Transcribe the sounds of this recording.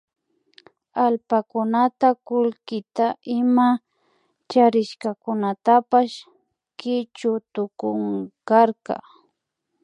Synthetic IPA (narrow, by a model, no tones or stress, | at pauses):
alpakʊnat̪akʊlkɪt̪aʔɪma | t͡ʃaɾɪʃkakʊnat̪apaʃ | kɪt͡ʃʊt̪ʊkʊŋkaɾkɑ̰